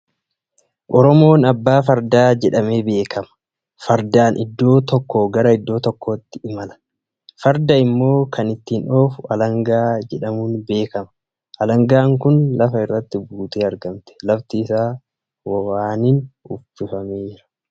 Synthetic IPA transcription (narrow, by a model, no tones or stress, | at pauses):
ʔɔɾɔmo̞ːnɐbːaːf̬ɐɾd̪aːd͡ʒɛᶑɐme̞ːbe̞ːkʰɐmɐ̥ | fɐɾd̪aːnʔɪd̪ːo̞ːt̪ɔkːo̞ːɡɐɾɐɪd̪ːo̞ːt̪ɔkːo̞ːt̪ːɪɪmɐlɐ̥ | fɐɾd̪ɐɪmːo̞ːkʰɐnɪt̪ːiːno̞ːfʊɐlɐŋɡaːd͡ʒɛᶑɐmuːnbe̞ːkɐmɐ̥ | ʔɐlɐŋɡaːŋkʊnlɐfɐɪrːɐt̪ːɪbuːt̪eːɐɾɡɐmt̪ɛ̥lɐft̪iːsaː | wɐwaːnɪnʊ̰fɪfɐmeːɪɾɐ̥